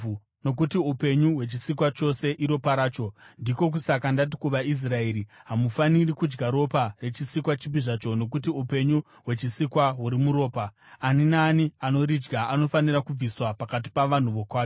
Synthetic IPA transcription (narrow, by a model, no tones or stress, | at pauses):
no̞k̬utiupe̞ɲuwe̞t͡ʃisikwat͡ʃo̞se̞ʔiɾo̞paɾaːt͡ʃo̞ndiko̞k̬usakandat̬i̥kuʋais̬rae̞ɾiɦamufanirikud͡ʒɡaɾo̞pare̞t͡ʃisikwat͡ʃipiʐat͡ʃo̞no̞kutiupe̞ɲu | ɦwe̞t͡ʃisikwaɦuɾimuɾo̞ːpaː | ninaːniano̞ɾid͡ʒɡaano̞fanirakub͡viswapakat̬i̥paʋan̤uʋo̞kwaːjo